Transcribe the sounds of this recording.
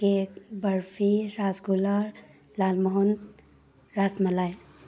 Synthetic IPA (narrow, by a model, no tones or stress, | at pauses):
ekbəɾfiɾazɡula | laːlmɔɦɔn | ɾasməlaj